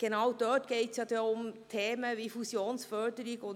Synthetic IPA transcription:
ɡ̥enɑwd̥œːtɡ̥eɪtsjɑd̥̪ɛʊmtʰeːməʋifusjoːnsfœdəɾɪɡʊn

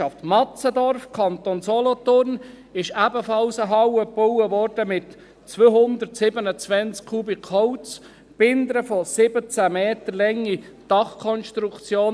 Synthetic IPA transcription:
ɑftmɑt͡sədɔrfkʰɑnt̪onsɔlɔtʊrn | ɪʃæbəfɑlsəɦɑwəpowəvɔrd̥əmɪt | t͡sʋøhʊnd̪ərtsɪbənət͡sʋɛnt͡skkʰubɪkʰɔʊt͡s | b̥ɪnd̪əɾəfɔsɪbət͡sæmeːt̪əɾlɛŋːi | d̥ɑχkʰɔnʃtɾukt͡sjoːn

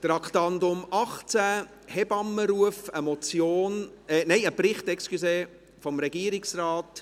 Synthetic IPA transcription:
t̪ɾɑkʰtɑndʊmɑχt͡sæ | hɛbɑmːəɾuəfəmɔt͡sjoːn | ɛnɛɪəpɾɪχtɛkskyseː | fɔmɾɛɡ̥iəɾiksrɑːt

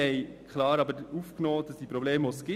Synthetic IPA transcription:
ɛjkχlɑːɾɑbəɾufknɔːd̥ɑsd̥ipɾɔbleːmʋosɡ̥ɪ

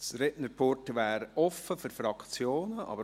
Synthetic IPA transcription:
sɾɛnəɾpʰoɾtʋæːɾɔfːəfyɾfɾɑkt͡sjoːnəʔɑ̰bə

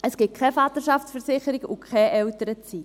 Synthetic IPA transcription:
əsɡ̥ɪkʰχɛfɑt̪əʃɑft͡sfəɾsɪχəɾɪɡʊkʰχɛʔɛltəɾət͡sit

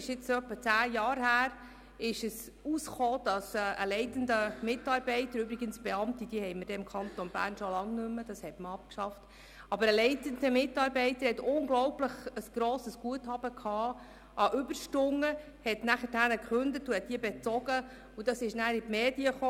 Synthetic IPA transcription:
ɪʃjɪt͡sœpːət͡sæːjɑːɾɦhæːɾ | ɪʃəs | usχoːd̥ɑsɛʔəlɛɪtəndəmɪtɑːɾbɛɪtəɾʏbɾiɡənsb̥eɑmtid̥iəhɛɪməɾd̥ɛɪmkʰχɑnt̪onb̥æ̰ːɾnʃolɑŋnʏmːəd̥ɑshɛtməɑp̚kʃɑft | ɑbəɾəlɛɪtəndəmɪtːɑːɾbɛɪtəɾhɛtʊŋɡlɔwpləχəsɡ̥ɾoːsəsɡ̥uəthɑb̥əkʰɑː | ʔɑʔʏbəɾʃtʊŋːə | hɛtnæχəthænəkχʉndətuhɛt̚d̥iːbɛt͡sɔɡ̥ə | ud̥ɑsɪʃnæːɾitmeːdiəχoː

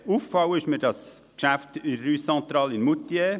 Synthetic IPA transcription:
uːfkfɑwəɪʃməɾdɑskʃæftɪyɔnt̪ɾɑːlɪnmut̪je

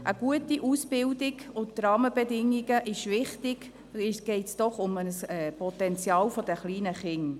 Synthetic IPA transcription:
ʔəɡ̥uətiʔusb̥ɪldɪɡʊttrɑːməbɛdɪŋːiɡəʔɪʃʋɪχtɪɡ̥ | ɪɡ̥ɛɪtsd̥ɔχʊmənəsɛpɔtɛnt͡sjɑːlfɔd̥əχliːnəχɪŋ

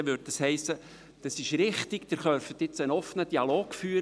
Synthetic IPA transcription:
əʋʏɾd̚d̥ɑshɛɪsːə | d̥ɑsɪʃɾɪχtɪɡ̥d̥ɪɾχœɾfət̪ɪt͡sənɔfənəd̥iɑloːɡ̥fyːəɾ

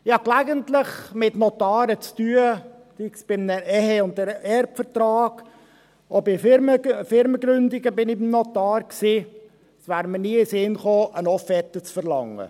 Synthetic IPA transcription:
ɪɑklæɡənt̪ləχmɪt̪not̪ɑːɾət͡st̪yə | d̥iksb̥ɪmnəʔɛheʊnt̪̚dəɾɛɾpfəɾt̪ɾɑːɡ̥ | obɪməfɪɾməɡɾʏnd̪iɡəbɪnɪbɪmnɔt̪ɑːɾksiː | sʋæːɾməniəɪsɪnχoːʔənɔfɛt̪ːət͡sfəɾlɑ̰ŋːə̰

